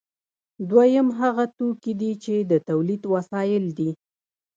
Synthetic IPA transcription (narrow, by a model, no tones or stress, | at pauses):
d̪wajəmɦaɣat̪okid̪it͡ʃed̪ət̪awlid̪wasɑjɪld̪i